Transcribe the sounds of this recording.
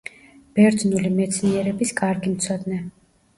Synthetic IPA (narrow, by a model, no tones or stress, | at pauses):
b̥ɛɾd̪znulimɛt̪sʰniɛɾɛbiskʼaɾɡimt̪sʰɔd̪nɛ